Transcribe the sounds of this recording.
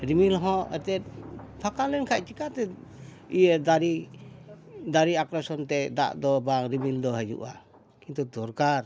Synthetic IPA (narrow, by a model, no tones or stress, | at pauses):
ɾimilɦɔ̃ɛ̰t̪ɛt̪̚pʰakalɛnkʰac̚t͡ʃikat̪ɛ | ijəd̪aɾi | d̪aɾiakɾasɔnt̪ɛd̪a̰ʔd̪ɔbaŋɾimild̪ɔɦəd͡ʒṵʔa̰ | kint̪ud̪ɔɾkaɾ